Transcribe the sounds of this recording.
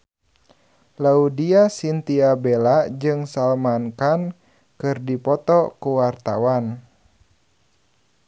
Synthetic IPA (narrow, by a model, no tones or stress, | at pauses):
laudiasint̪iabelad͡ʒɨŋsalmankan | kɨrdipɔt̪ɔkuwart̪awan